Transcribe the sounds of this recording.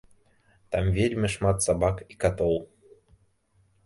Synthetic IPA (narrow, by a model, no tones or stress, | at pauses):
t̪ɑmvʲelʲmʲɘʃmɑt̪sabɑkikat̪olˠ